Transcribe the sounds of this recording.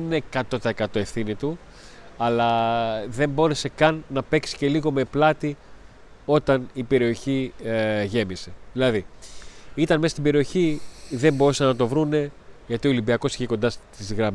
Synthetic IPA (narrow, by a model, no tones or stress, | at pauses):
ninekɐt̪o̞t̪ɐekɐt̪o̞e̞fθinit̪u | ɐlɐðe̞mbo̞ɾe̞se̞kɐnːɐpe̞ksi̥ce̞liɣo̞me̞plɐt̪i | o̞t̪ɐnipe̞ɾio̞çi | ʝe̞mise̞ðilɐði | it̪ɐnmesɐst̪ibe̞ɾio̞çiðe̞mboɾusɐnɐt̪o̞vɾune̞ʝɐt̪io̞limbiɐko̞si̥çeko̞nd̪ɐst̪izɣɾɐm